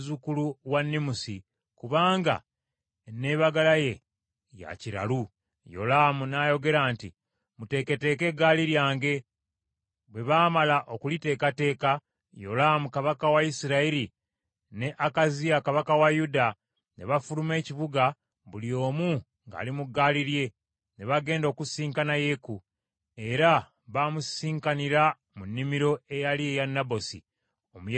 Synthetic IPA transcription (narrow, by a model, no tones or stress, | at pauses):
zukuluwanːimusi | kuβaːŋɡa̰ | ne̞ːβaɡalaje̞ | ja̰ciɾa̰lu | jo̞̰lamunaːjo̞ɡe̞ɾaːntḭ | mute̞ke̞te̞ke̞ɡaliɾjaːŋɡe̞ | βwe̞βaːmalaʔo̞kulite̞ːkate̞ːka | jo̞̰lamukaβakawaisiɾaiɾi | ne̞ʔakaziakaβakawajuda | ne̞βafulume̞ːciβuɡa | βulio̞ːmu | ŋɡa̰ːlimuɡːaːliɾje̞ | ne̞βaɡe̞ːndo̞ːkusiːŋkanaje̞ku | e̞ɾa | βamusiːŋkaniɾa | munːimiɾo̞e̞jaliejanːabo̞sḭ | omu